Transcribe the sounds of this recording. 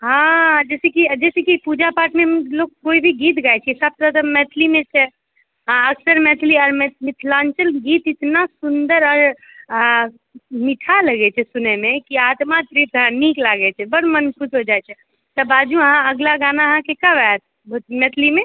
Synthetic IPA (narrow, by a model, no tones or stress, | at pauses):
ɦãd͡ʒɛsɛkid͡ʒɛsɛkipud͡ʒapaʈʰmelokkoibʱiɡit̪ɡajt͡ʃʰiɛsəb̚t̪əɾt̪əmɛt̪ʰlimẽt͡ʃʰɛ | ãəksəɾmɛt̪ʰliɔːɾmɛmit̪ʰlãnt͡ʃəlɡit̪it̪nasund̪əɾɔɾ | miʈʰaləɡɛt͡ʃʰɛsunɛmekiat̪mat̪ɾipãniklaɡɛt͡ʃʰɛbəɽmənkut͡ʃʰɦod͡ʒajt͡ʃʰɛ | t̪əbad͡ʒuəɦãəɡlaɡanaɦãkekəʋat̪̚ | bmɛt̪ʰlime